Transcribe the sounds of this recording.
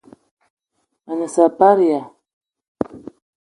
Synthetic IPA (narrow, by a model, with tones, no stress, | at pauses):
a˨nə˨sa˨pa˦ɾi˨ja˨